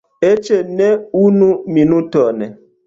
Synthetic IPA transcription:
et͡ʃeneunuminutɔnɛ

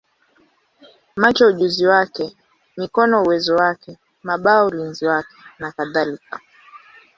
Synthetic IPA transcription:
mat͡ʃɔuʄuziwakɛ | mikɔnɔuwɛzɔwakɛ | maɓaɔulinziwakɛ̥nakaðalika

